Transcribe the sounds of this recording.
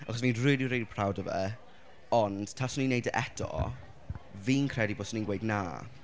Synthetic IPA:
a̰χɔsviːnrɪːdiɾejdipʰr̥awdəvɛ̰ | ɔnd̥tʰasɔninejdəʔɛdɔ̰ | viːnkʰr̥ɛdiboːsɔniːnɡwejdna̰ː

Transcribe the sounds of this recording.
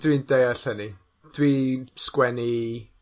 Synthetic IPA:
d̥windejaɬəni | d̥wiskwɛni

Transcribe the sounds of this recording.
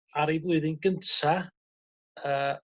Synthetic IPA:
aɾejvlˠʊɨðɪnɡəntʰa | əː

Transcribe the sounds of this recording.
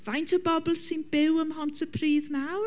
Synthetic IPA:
v̥ajntʰɔbɔblˠsɪnb̥ɪwəmhɔntʰəpʰriːðnaw

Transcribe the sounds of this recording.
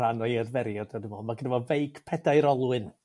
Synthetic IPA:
anɔjɛrvɛɾjɔdɔdəmɔlˠmaɡənɛvɔvejɡpʰɛdajɾɔlˠwɨn

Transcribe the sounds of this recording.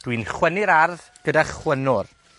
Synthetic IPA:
d̥winχwɛnɪɾarð | ɡ̥ədaχwənʊr

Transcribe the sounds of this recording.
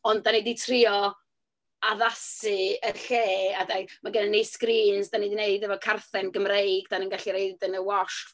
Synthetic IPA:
ɔnddaniditʰrɪɔ | aðasɨəɬeːadamaɡənənːejskriːnsdanidineɨdɛvɔkʰarθɛnɡəmrejɡd̥anənɡaɬiɾejdənəwɔʃ

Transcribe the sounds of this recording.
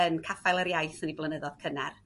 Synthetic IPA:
ənkʰafajlˠəɾjajθəniblˠənəðɔð̥kʰənɛr

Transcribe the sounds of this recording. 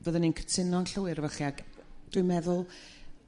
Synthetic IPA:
vəðəninkʰə̥tʰɪnɔnɬəwɪɾvaχiaɡd̥ʊjmɛðʊlˠ

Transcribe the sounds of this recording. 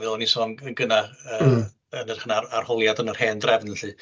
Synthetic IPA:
vɪlˠɔnisɔːnəɡənaəː | ənərχənaarhɔlˠjadənər̥heːndrɛvnəɬɨ

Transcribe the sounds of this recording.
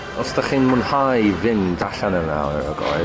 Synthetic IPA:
ɔsdaχiːnmʊnhajvɪndaɬanəna̰ə̰ɡɔ̰ɨ

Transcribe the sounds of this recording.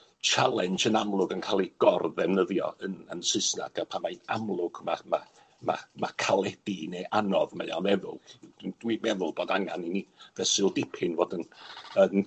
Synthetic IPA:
t͡ʃʰalˠɛnt͡ʃənamlˠʊɡənkʰaːlˠiɡ̥ɔrðɛvnəðjɔ̰ənənsɨsna̰ɡ̥apʰamajna̰mlˠʊɡ̥mama | ma̰makʰalˠɛd̥ineʔanɔðmeja̰nɛðʊlˠd̥wiːmɛðʊlˠboːdaŋaninivɛsɪlˠdɪpʰɪnvɔdənən

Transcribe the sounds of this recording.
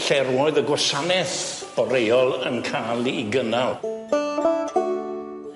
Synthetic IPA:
ɬɛrwɔɨðəɡwasanɛθ | b̥ɔɾejɔlˠənkʰaːlˠiɡənalˠ

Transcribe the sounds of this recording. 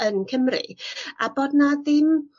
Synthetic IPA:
ənkʰəmrɨ̰a̰boːdnaðɪm

